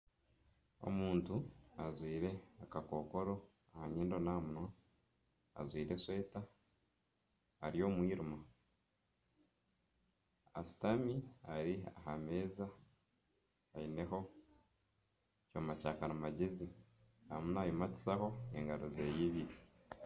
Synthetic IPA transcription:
o̞̰muːntuazwiːɾe̞akako̞ko̞ɾo̞ | ahaɲeːndo̞naːmuno | a̰zwiːɾeswe̞ːta | ɾijo̞ːmwiːɾuma | a̰si̥tamiaɾia̰hame̞ːza | aine̞ho̞ | comacaːkanamaɟezi | amunaːjimati̥saho̞ḛŋɡaɾoze̞ːjiːβiːɾe

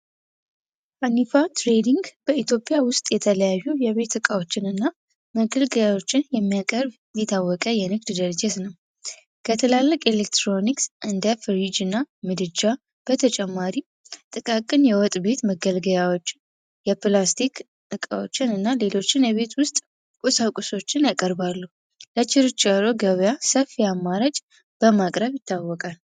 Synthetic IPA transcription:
fanifat̪ɾed̪iŋɡb̥əit̪ʰjo̞pʼjawʊst̪ʼjɛt̪ʰələjajːujɛβe̞t̪ɨkʼawot͡ʃːɪnɨnːa | məɡəlɡəjawo̞t͡ʃːɪnjɛmːijakʼəɾbnd̪it̪ʰawːɔkʼəjɛnɨɡd̪d̪əɾəd͡ʒɛt̪nəw | kʰət̪ʰɨlalːəkʼelek̚t̪ɾo̞niksʔɨnd̪əfɨɾid͡ʒɨnːamɨd̪ɨd͡ʒa | b̥ət̪ʰət͡ʃʼɛmːaɾi | t̪ʼɨkʼakʼɨnjɛwɔt̪ʼbe̞t̪məɡəlɡəjawo̞t͡ʃːɪn | jɛplast̪ʰik | ɨkʼa̰wo̰t͡ʃːɪnɨnːale̞lo̞t͡ʃːɪnjɛβe̞t̪wʊst̪ʼ | kʼusakʼuso̞t͡ʃːɪnjakʼəɾbalːu | lət͡ʃːɪɾt͡ʃaloɡəβjasəfiamːaɾad͡ʒʼ | b̥əmakʼɾəβjɪt̪ʰːawːɔkʼal

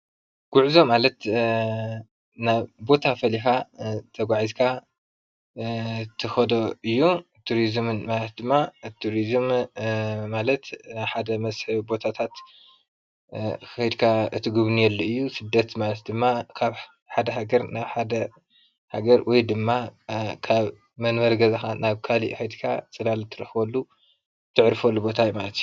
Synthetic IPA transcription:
ɡ̥uʕzo̞malɐt̪ | naβbo̞t̪ʰafɐlixat̪ʰɐɡʷaʕizkʰa | t̪ʰɐxɐd̪oɨjːu | t̪ʰːuɾizmɨnmalɐt̪̚d̪ɨmːat̪ʰːuɾizm | malɐt̪naβħad̪ɐmɐsħɨbo̞t̪ʰat̪ʰat̪ | ɐjd̪kʰaɨt̪ʰɨɡuβnijɛlːuɨjːusɨd̪ːɐt̪malɐt̪̚d̪ɨmːakʰaβ | ħad̪ɐɦaɡɐɾnaβħad̪ɐ | ha̰ɡɐɾwʔɔjd̪ɨmːakʰaβ | mɐnmɐɾɡɐzaxanaβkʰalḭʔxɐjd̪kʰa̰t͡sʼɨlalt̪ʰɨɾɐħwɐlːu | t̪ʰːɨʕɾfolːubo̞t̪ʰajumalɐt̪ju

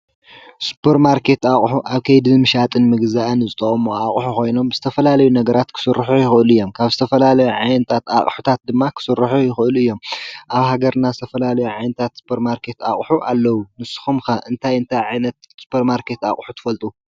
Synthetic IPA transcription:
su̥pʰːɐɾmaɾkʰe̞t̪aχʼħuʔaβkʰɐjd̪ɨɨmɨʃat̪ʼɨnmɨɡzaʔnɨzɨt̪ʼɐχʼomoaχʼħuko̞jno̞mbz̥ɨt̪ʰɐfɐlalɐjunɐɡɐɾat̪kʰɨ̥sɨrːħujɪxɨɨlɨjːo̞mkʰaβzɨt̪ʰɐfɐlalɐjuʕajnɐt̪ʰat̪a̰χʼħut̪ʰat̪̚d̪ɨmːakʰɨ̥sɨɾħujɪxɨʔɨluɨjːo̞mʔaβhaɡɐɾnazɨt̪ʰɐfɐlalɐjuʕajnɐt̪ʰat̪su̥pʰɐɾmaɾkʰe̞t̪a̰χʼħuʔalːɐwunɨsɨ̥xumxɐʔɨnt̪ʰajɨnt̪ʰajʕajnɐt̪̚su̥pʰɐɾmaɾkʰe̞t̪a̰χʼħu̥t̪ʰɨ̥fɐlt̪ʼu

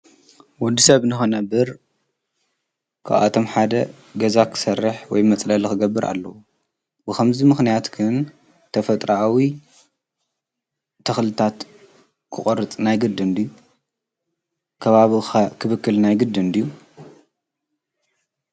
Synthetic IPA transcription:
wɔd̪ːisɐβnɨxonɐbɨɾ | kʰa̰βa̰t̪ʰo̞mħad̪ɐ | ɡɐzakʰɨ̥sɐrːɨħwɔ̰jmɐt͡sʼlɐlkɨɡɐbːɨɾʔa̰lːɐ̰wu | bɨkʰɐmzimɨxnijat̪ɡɨn | t̪ʰɐfɐt̪ʼɾaawi | t̪ʰɐxlɨt̪ʰat̪ | kʰɨχʼɔɾɨt͡sʼnajɡɨd̪ɨnd̪ijːu | kʰɐβaβixɐkʰɨβɨkːɨlnajɡɨd̪ːɨnd̪ijːu

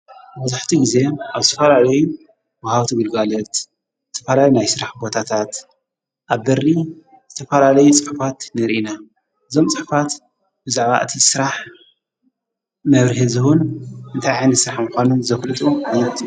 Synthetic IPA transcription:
mɐzaħt̪ʰiɡize̞ʔaβzɨt̪ʰɐfɐlalɐju | wahaβt̪ʰɨɡɨlɡalɐt̪ | zɨt̪ʰɐfɐlalunajsɨɾaħbo̞t̪ʰat̪ʰat̪ | ʔaβbɐri | zɨt̪ʰɐfɐlalɐjut͡sʼɨħfat̪nɨɾʔina | ʔɨzo̞mt͡sʼɨħfat̪ | bɨzaʕβa̰ʔɨ̰t̪ʰisɨɾaħ | mɐβɾɨhɨzɨhunʔɨnt̪ʰajʕajnɨsɾaħmuxʷanunzɐflɨt̪ʼuʕanɐt̪

